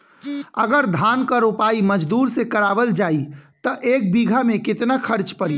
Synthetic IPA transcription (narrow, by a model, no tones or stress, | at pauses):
ə̰ɡəɾd̪ʱaːnkaɾupaːiməd͡ʒd̪uːɾsekəɾaːʋəld͡ʒaːit̪əʔeːk̚biɡʱamẽkɪt̪nakʰəɾt͡ʃpəɽi